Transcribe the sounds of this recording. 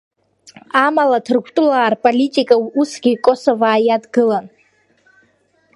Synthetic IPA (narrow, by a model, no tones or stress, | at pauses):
amalatʰɨrɡʷʰtʼlaːrpʼolitʼikʼausɡʲikʼosovaːjadɡɨlan